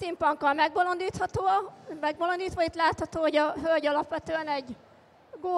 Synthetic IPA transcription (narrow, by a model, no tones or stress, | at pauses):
simpɒŋkːɒlmɛɡbolond̪iːt̪hɒt̪oːmɛɡ̚bolond̪iːt̪ʋɒit̪laːt̪hɒt̪oːɦoɟɒɦølɟɒlɒpʋɛt̪øːɛnɛɟ | ɡoː